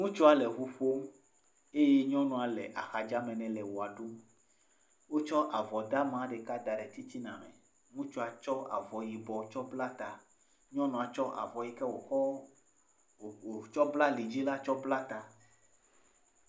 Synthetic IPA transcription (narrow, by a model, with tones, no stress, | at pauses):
ŋũ˦t͡ʃu˦a˨lɛ˨xu˨ɸo˦m | e˦je˦ɲɔ̃˦nɔ̃˨a˨lɛ̰˨ʔa̰˨xa˨d͡ʒa˦mɛ̃˨nɛ̃˨lɛ˨wo˨a˨ɖu˦ | wo˦t͡ʃɔ˦ʔa˨vɔ˨d̪a˦mã˦ɖe˨ka˦d̪a˨ɖɛ˨t̪i˦t̪i˦nã˨mɛ̰̃˨ | ŋũ˦t͡ʃu˦a˨t͡ʃɔ˦a̰˨vɔ˨ji˨bɔ˨t͡ʃɔ˦bla˦t̪a˨ | ɲɔ̃˦nɔ̃˨a˨t͡ʃɔ˦ʔa̰˨vɔ˨ji˦kɛ˦wo˨xɔ˦˨ | o˨t͡ʃɔ˦bla˦li˨d͡ʑi˦la˦t͡ʃɔ˦bla˦t̪a˨